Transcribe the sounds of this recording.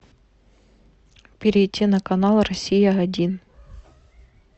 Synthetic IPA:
pʲɪɾʲɪjtʲːinɐkɐnalˠrɐsʲijɐɐdʲin

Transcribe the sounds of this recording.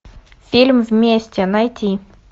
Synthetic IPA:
fʲilʲmvʲmʲesʲtʲɛnajtʲi

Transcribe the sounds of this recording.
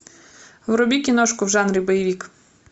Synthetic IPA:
wɾʊbʲikʲinɔʃkʊwʒɑnɾʲibɔjɪʋʲik

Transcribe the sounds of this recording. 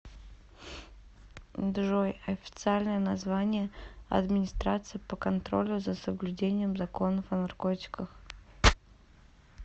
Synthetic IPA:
d̪ʐojɐfʲɪ̥t̪sɨalʲnəjənɐzvanʲɪjəɐ̰d̪mʲɪnʲɪst̪ɾat̪sɨjɪpəkɐnt̪ɾo̞̰lʲʊzəsəblʲʉdʲenʲɪjəmzɐko̞nəfɐnɐrkotʲɪ̥kəx

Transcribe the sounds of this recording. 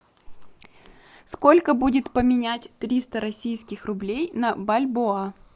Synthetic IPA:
sko̞lʲkəbudʲɪt̪pəmʲɪnʲætʲt̪ɾʲist̪əɾɐsʲijskʲɪxrʊblʲejnɐbɐlʲboa

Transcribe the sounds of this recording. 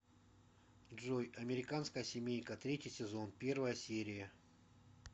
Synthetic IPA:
ʐojɐmʲɪɾʲɪkanskəjəsʲɪmʲejnʲkət̪ɾʲetʲɪjsʲɪzo̞npʲe̞rvəjəsʲeɾʲɪjə

